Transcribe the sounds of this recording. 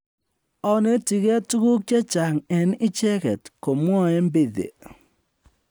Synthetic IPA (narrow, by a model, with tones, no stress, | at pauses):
ɔ˦ne˦ti˨kɛ˦tu˦ku˦k̚t͡ʃe˦t͡ʃa˨ŋɛ˨nɪ˦t͡ʃɛ˦kɛ˨tko˨m˦ɔ˦e˦mbɪ˨ðḛ˨